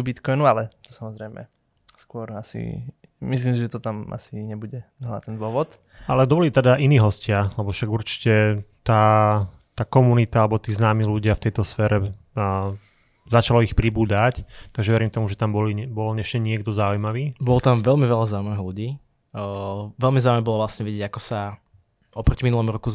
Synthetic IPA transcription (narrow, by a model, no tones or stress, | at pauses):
bit̪kɔjnualɛt̪ɔ̥samɔzɾɛjmɛ̰ | skʊɔɾasḭ | mis̬limsiʒɛt̪ɔt̪ama̰siɲɛbuɟɛɦla̰t̪ɛnd̪ʊɔʋɔt̪ | alɛd̪ɔbɔlit̪ɛd̪aʔiniːɦɔscɪalɛbɔfʃaɡuɾt͡ʃi̥cɛt̪aː | t̪aːkɔmunit̪aalɛbɔt̪iːznaːmiːluɟɪaft̪ɛjt̪ɔsfɛːɾɛ | zat͡ʃalɔixpɾibuːd̪act̪aɡʒɛʋɛɾimt̪ɔmuʒɛt̪ambɔlibɔlɲɛʃcɛɲɪɛɡd̪ɔzaujmaʋiːbɔlɔt̪amʋɛlmiʋɛlazaːumaniɦluɟiː | ʋɛlmizaːumɛbɔlɔʋlasɲɛʋɛɟɛɟakɔsa | ɔpɾɔcminulɔmɾɔku